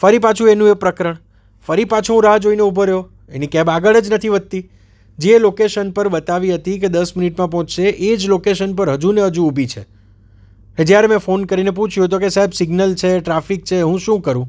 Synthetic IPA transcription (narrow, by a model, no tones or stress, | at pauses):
fəɾipat͡ʃʰũenũepɾəkɾəɳ | fəɾipat͡ʃʰoɦũɾaɦd͡ʒoineubʱəɾjo | ḛnĩkɛ̃baɡəɭəd͡ʒnət̪ʰiʋəd̪̚t̪i | d͡ʒelokeʃənpəɾbət̪aʋiɦət̪ik̬ed̪əsmɪniʈmãp̬ɔɦɔ̃t͡ʃʃeʔed͡ʒlokeʃənpəɾɦəd͡ʒuneɦəd͡ʒuːbʱit͡ʃʰḛ | ɦẽd͡ʒjaɾemɛ̃fonkəɾinep̬ũt͡ʃʰjũt̪̬okesaɦebsiɡnəlt͡ʃʰeʈɾafik̚t͡ʃʰeɦũʃũkəɾũ